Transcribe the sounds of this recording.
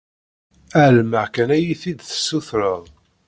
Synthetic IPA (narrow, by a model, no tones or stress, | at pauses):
ælmæʁkænæjiθid̪θə̥sːuθɾəðˤ